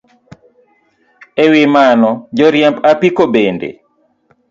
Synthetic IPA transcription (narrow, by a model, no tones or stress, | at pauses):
ɛwɪmanɔd͡ʒɔɾjɛmpapikobendḛ